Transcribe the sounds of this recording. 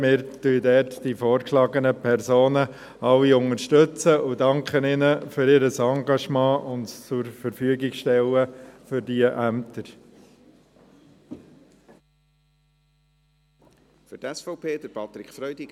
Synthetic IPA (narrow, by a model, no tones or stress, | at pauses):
mɪːɾtyːdɛːtd̥ifoːɾkʃlɑːɡənəpʰɛɾsoːnə | ɑlːiʊŋəɾʃtɵt͡səʔʊdɑŋkχənɪnəfyɾɪːɾəsɑŋɡɑʃmɑ̃ːʔʊntt͡sʊɾfəɾfyəɡɪkʃtɛləfʏɾdiəʔæmt̪əɾ | fʏtɛsfɔpʰeːd̥əɾpʰɑt̪ɾɪkfɾœʏdiɡ